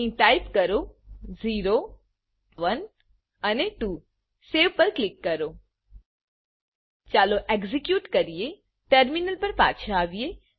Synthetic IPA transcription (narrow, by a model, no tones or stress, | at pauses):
ĩʈaɪpkɐɾoziːɾo | ʋən | ɐneʈuː | seːʋpɐɾklɪkːɐɾoː | t͡ʃaːloʔeɡzikjuːʈkəɾije | ʈəɾminəlpɐɾpa̰ːt͡ʃʰãaːʋije